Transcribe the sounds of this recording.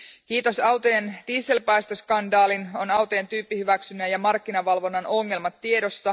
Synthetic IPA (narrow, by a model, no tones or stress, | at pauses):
kiːt̪o̞sɑwt̪oend̥iːse̞lpɑjst̪oskɑndɑːlino̞nɑwt̪oːnt̪yːpːihyʋæksynːæjɑmɑrkːinɑʋɑlʋo̞nːɑno̞ŋːe̞lmɑt̪ːie̞do̞sːɑ